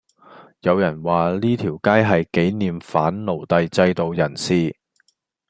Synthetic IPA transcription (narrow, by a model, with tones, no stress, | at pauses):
jɐ˨˧wjɐ˨˩nwaː˨˩liː˥t̪ʰiː˨˩wkaː˥jɦɐ˨jke˨˥jniː˨mfaː˨˥nlo˨˩wt̪ɐ˨˧jt͡sɐ˧jt̪o˨˧wjɐ˨˩nsiː˧